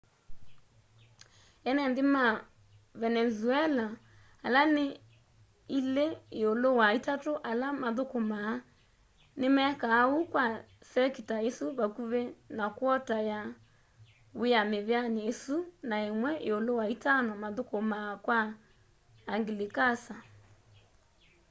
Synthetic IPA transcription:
ɛnɛndema | vɛnɛzuɛla | alane | ileːolowaitatoʔalamaðokoma | nemɛkaːukwa | sɛkitaesoβakuβenakwɔtaja | weameβeaneesunaemwɛʔeolowaitanɔmaðokomakwaː | ŋɡilekasa

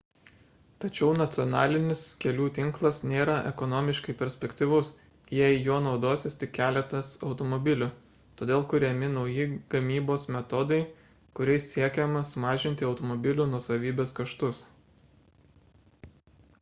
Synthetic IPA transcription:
t̪ɐt͡ʃʲɛʊnɐt̪sʲɪɔnɑ̰ːlʲɪnʲɪskʲɛlʲuːt̪ʲɪŋklˠɐsnʲeːɾɐʔɛ̰kɔnɔːmʲɪʃkɐɪpʲɛɾʲsʲpʲɛkʲt̪ʲɪʋʊs | jɛɪjoɔnɒʊd̪oːsʲɪst̪ʲɪkʲkʲæːlʲɛt̪ɐsɒʊt̪ɔmɔbʲɪlʲʊ | t̪oːd̪ʲeːlˠkʊɾʲɛmʲɪnɒʊjɪɡ̥ɐmʲiːboːsmʲɛt̪ɔd̪ɐɪ | kʊɾʲɛɪsʲsʲiɛkʲɛmɐsʊmɑːʒʲɪnʲt̪ʲɪɒʊt̪ɔmɔbʲɪlʲunuɔsɐʋʲiːbʲeːskɐʃt̪ʊs

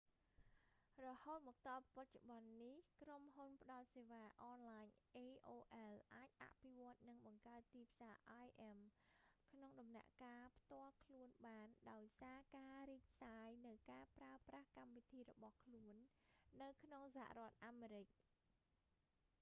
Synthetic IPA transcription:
rɔhoːt̪̚mɔːk̚t̪ɑːppac̚t͡ɕoɓɑnːihkromɦunpə̆ɗɑɔt̪̚seːʋaːʔɑːnlaːɲʔeːʔoːʔɛlʔaːc̚ʔa̰ʔpʰiʋŏət̪̚nɨŋɓɑŋkaət̪ːiːpʰsaːʔaːjʔɛmkʰnoŋɗɑmna̰ʔkaːpʰt̪ŏəlkʰluənɓaːnɗaɔjsaːkaːɾiːc̚ʰsaːjnɨwkaːəpraəprahkamʋit̪ʰiːrɔɓɑhkʰluənːɨwkʰnoŋsaha̰ʔrŏət̪̚ʔaːmeːɾɨc̚

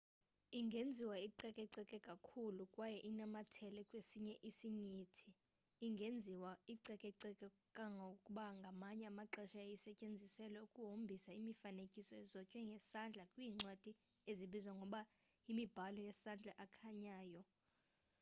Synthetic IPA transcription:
iŋɡʱend͡zʱiwaiǀɛkʼɛǀɛkʼɛkʼakʰulukʼwajɛʔinamatʰɛlɛkʼwesiɲɛʔisiɲiːtʰiː | ŋɡʱend͡zʱiwaiǀɛkʼɛǀɛkʼɛ | kʼaŋɡʱokʼuɓaŋɡʱamaɲɛamaǁɛʃajisɛcʼend͡zʱisɛlɛukʼuɦombʱisaimifanekʼisɔɛzɔcʼwɛŋɡʱɛsand͡ɮʱakʼwiːŋ͡ǀwad̥ʱi | eziɓizwaŋɡʱɔɓa | imib̥ʱalɔjɛsand͡ɮʱaʔakʰaɲaːjɔ

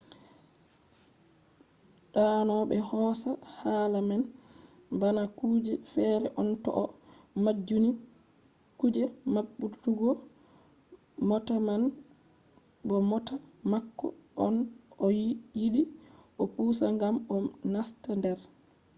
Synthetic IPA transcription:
ɗanɔɓɛhɔːsahaːlaman | banakud͡ʒɛfɛːɾɛʔɔntɔ̰ʔɔ | mad͡ʒːuni | kud͡ʒɛmaɓːutuɡɔ | mɔtaman | bɔmɔtamakːɔ̰ɔ̰nɔjjiɗiʔɔpuːsaŋɡamɔnastandɛɾ

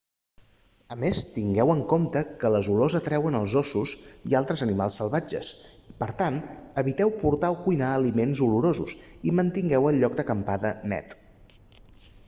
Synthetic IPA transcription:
əmest̪iŋɡɛwəŋkomt̪əkələzulozət̪ɾɛwənəlˠzɔsuzḭalˠt̪ɾəzənimalˠsːəlˠβad͡ʒə̰s | pəɾt̪anəβit̪ɛwpuɾt̪awkujnaːlimenzuluɾozṵzimənt̪iŋɡɛwəlˠʎɔk̚d̪əkəmpaðənɛ̰t̪

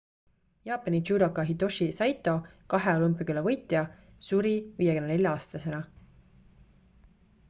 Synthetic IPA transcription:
jɑːpːˑɑnit͡ʃuːɾokːɑɦid̪o̞ʃisɑjt̪ːˑo̞kɑɦeolumpikylɑvɤjt̪ˑjɑ | suɾiviːjekynnelʲjɑɑːst̪ɑse̞nɑ

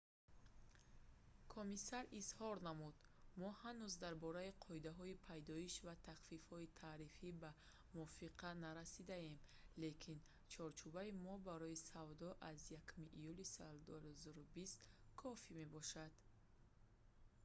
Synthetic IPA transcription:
kʰomisaɾizhɔɾnamud̪ | mɔhanuzd̪aɾbɔɾaiqʰɔid̪aɦɔipʰajd̪ɔiʃvat̪ʰaχfifhɔit̪ʰaːɾifiba | muɔfiqʰanaɾasid̪aemle̞kʰin | t͡ʃʰɔɾt͡ʃʰubaimɔbaɾɔisavd̪ɔʔazjakʰumiʔijulisɔld̪uhzɔɾubist̪kʰɔfime̞bɔʃad̪̥

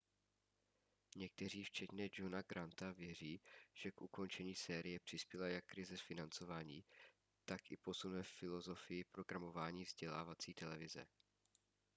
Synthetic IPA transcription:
ɲɛk̚t̪ɛriːft͡ʃɛt̪ɲɛd͡ʒo̞naɡɾant̪avjɛr̝iːʒ̥ɛkʔuko̞nt͡ʃɛɲiːsɛːɾɪjɛpr̝̥ɪspjɛlajakːɾɪzɛfɪnant͡so̞vaːɲiː | t̪akɪpo̞sunvɛfɪlo̞zo̞fɪjɪpɾo̞ɡɾamo̞vaːɲiːvzɟɛlaːvat͡siːt̪ɛlɛvɪzɛ̰

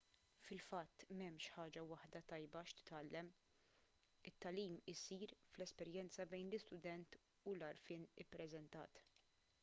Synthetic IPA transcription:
fɪlfɐt̪ːmɛmːʃħɐːd͡ʒɐwɐħd̪ɐt̪ɐjbɐʃt̪ɪ̥t̪ɐlːɛm | ɪt̪ːɐliːmɪsiːɾflɛspɛɾjɛnt͡sɐbɛjnlɪst̪ʊd̪ɛnt̪ | ʊlɐɾfɪːnɪpːɾɛzɛnt̪ɐ̰ːt̪

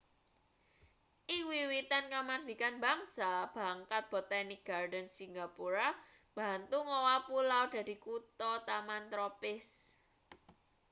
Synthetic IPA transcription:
ʔiwiwit̪ankamad̪ikanbaŋsab̥a̤ŋkat̪̚b̥ɔt̪anik̚ɡ̥ardənsiŋɡapuɾa | b̥a̤nt̪uŋowapulawd̥ä̤d̪̥i̤kut̪ɔt̪amant̪ɾɔpɪs

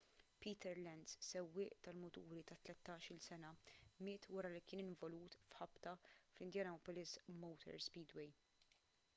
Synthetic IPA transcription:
piːt̪ɛɾlɛnd̪ssɛwːɪːʔt̪ɐlmʊt̪uːɾit̪ɐt̪lɛt̪ːɐːʃɪlsɛnɐmɪːt̪wɐɾɐlikɪːnɪɱvɔluːt̪fħɐpt̪ɐflɪnd̪jɐːnɔːpɔlɪsmɔwt̪ʰɛ̰ɾspiːd̪wɛj

